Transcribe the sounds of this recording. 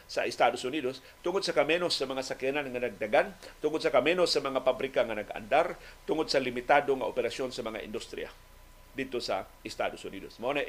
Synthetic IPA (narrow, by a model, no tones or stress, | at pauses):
saʔɪst̪ad̪osʊniːd̪os | t̪ʊŋod̪̚sakamɛnosːamaŋasakiananŋanaɡ̚d̪aɡant̪ʊŋod̪̚sakamɛnosamaŋapabɾɪkaŋanaɡa̰nd̪aɾt̪ʊŋod̪̚salimit̪ad̪oŋaʔopɛɾasjonsamɐŋa̰ʔɪ̰nd̪ust̪ɾḭa̰ | d̪id̪̚t̪osa̰ʔɪst̪a̰d̪osʊniːd̪osmaʔona